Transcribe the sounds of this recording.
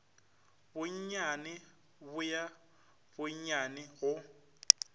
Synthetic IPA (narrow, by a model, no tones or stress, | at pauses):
bʊɲ̩ɲanɪ | bʊja | bʊɲ̩ɲanɪɣʊ